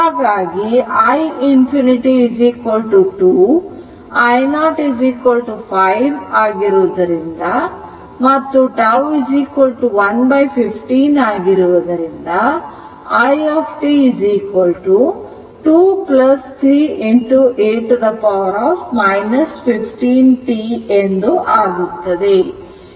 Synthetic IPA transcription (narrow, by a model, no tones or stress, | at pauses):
aːɡaːɡiɐjinpʰiniʈiːd͡ʒiːkʋɐlʈuʈuː | ɐjnaːʈid͡ʒiːkʋɐlʈupʰɐjʋaːɡiɾuʋd̪ɐɾind̪ɐ | mɐt̪ːuʈɐwid͡ʒiːkʋɐlʈuʋɐnbɐjpʰipʰʈinaːɡiɾuʋɐd̪ɐɾind̪ɐ | ɐjepʰʈiːd͡ʒiːkʋɐlʈu | ʈuːplɐst̪ʰɾiːiɳʈuʔeːʈud̪ɐpaʋɐɾaːfmɐjnɐspʰipʰʈiːnʈiend̪uʔaːɡut̪ːɐd̪e̞